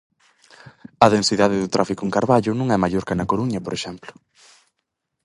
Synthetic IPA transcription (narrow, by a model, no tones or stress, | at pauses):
ɐðensiðaðɪðʊt̪ɾafikʊeŋkaɾβaʎʊnũŋɛmaʎoɾkanɐkoɾuɲɐpoɾeʃɛmplʊ̥